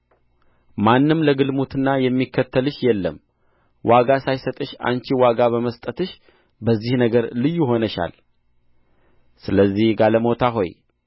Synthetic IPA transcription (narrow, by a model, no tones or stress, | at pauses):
manːɨmləɡɨlmut̪ɨnːajɛmːikʰːət̪ʰːəlɨʃjɛlːəm | wʔaɡasajsət̪ʼɨʃa̰nt͡ʃiwaɡaβəməst̪ʼət̪ɨʃ | bəzːihnəɡəɾlɨjːuɦo̞nəʃa̰l | sɨləzːihɡaləmo̞t̪ʰaɦo̞j